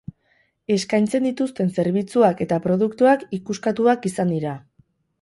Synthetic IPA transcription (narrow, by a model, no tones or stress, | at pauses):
e̞skajnt͡se̞nd̪it̪ust̪e̞nse̞ɾβ̞it͡suake̞t̪apɾo̞ð̞ukt̪uakikuskat̪uakisand̪iɾa